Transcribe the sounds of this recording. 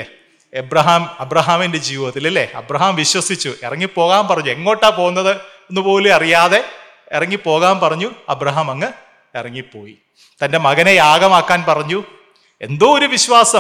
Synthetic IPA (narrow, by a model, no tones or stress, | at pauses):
e | ebrɐɦaːmɐbrɐɦaːminde̞d͡ʑiːʋiðɐt̪ːilɐlːeɐ̰brɐɦaːmʋiɕwɐsit͡ɕːuʔirɐŋːipːo̞ːɣaːmpɐrɐɲːue̞ŋːo̞ːʈːaːpo̞ːunːɐðɨ | nːɨpo̞ːleɐrijaːðe̞ | irɐŋːipːo̞ːɣaːmpɐrɐɲːuɐ̰brɐɦaːmɐŋːɨ | irɐŋːipːo̞ːji | t̪ɐnde̞mɐɣɐnejaːɣɐmaːkːaːnpɐrɐɲːu | e̞̰nd̪oːoɾuʋiɕwaːsɐ